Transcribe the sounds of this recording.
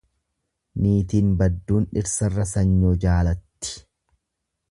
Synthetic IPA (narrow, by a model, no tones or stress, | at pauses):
niːt̪iːnbɐd̪ːuːnᶑɪɾsɐrːɐsɐɲːod͡ʒaːlɐt̪ːɪ̥